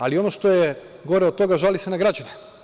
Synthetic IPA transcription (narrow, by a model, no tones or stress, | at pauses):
alio̞noʃt̪o̞je | ɡo̞ɾeot̪t̪o̞ɡaʒalisenaɡɾad͡ʑane